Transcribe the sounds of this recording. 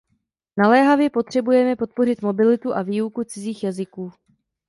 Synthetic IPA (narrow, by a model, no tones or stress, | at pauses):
nalɛːɦavjɛpo̞t̪r̝̥ɛbujɛmɛpo̞t̪̚po̞rɪt̪mo̞bɪlɪt̪uʔaviːukut͡sɪziːxjazɪkuː